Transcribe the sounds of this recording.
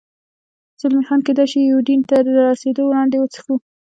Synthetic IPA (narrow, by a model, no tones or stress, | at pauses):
z̥ʊlmixɑnked̪ajʃijuɖint̪aɾəɾɑsed̪owlɑɳd̪ewot͡sə̥xu